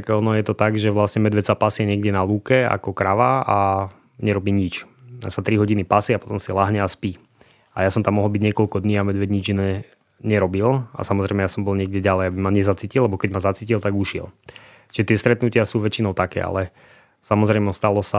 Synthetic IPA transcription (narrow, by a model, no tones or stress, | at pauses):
kɔnɔjɛt̪ɔt̪aɡʒɛʋlasɲɛmɛd̪ʋɛt͡sapasɪɛɲɪɛɡdɛnaluːkɛa̰kɔkɾaʋaa | ɲɛɾɔbiːɲit͡ʃasat̪ɾiɦɔɟinipasiapɔ̥t̪ɔmsilaɦɲɛaspiː | ajasɔmt̪amɔɦɔlˠbiɟɲɪɛkɔlkɔd̪ɲiːamɛd̪ʋɛɟɲid͡ʒinɛ | ɲɛɾɔbila̰samɔzɾɛjmɛjasɔmbɔlɲɪɛɡ̚dʲɛɟalɛjabimaɲɛzat͡siːcilɛbɔkɛɟmazat͡siːcilt̪aɡuʃɪɛ̰l | t͡ʃiʒɛt̪ɪɛst̪ɾɛt̪nucɪasuːʋɛt͡ʃinɔʊt̪akɛ̰ːa̰lɛ | samɔzɾɛjmɔst̪alɔsa